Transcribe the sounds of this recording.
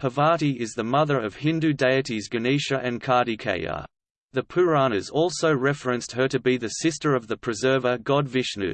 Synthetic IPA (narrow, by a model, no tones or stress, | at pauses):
həvɑɹɾiʔɪzðəmʌðə˞ʌv̥hɪ̃ndʉdeɪɨɾizɡɨniʃɨʔɨ̃nkʰɑɹɾikʰḛɪə̰ | ðɨpʰʉɹɑnɨzɔlˠsoʊɹɛfɹɨ̃nst̚hə˞ɾɨbiðɨsɪstə˞ʌvðɨpʰɹ̥ɨzɜ˞vəɡɑdvɪʃnʉ̰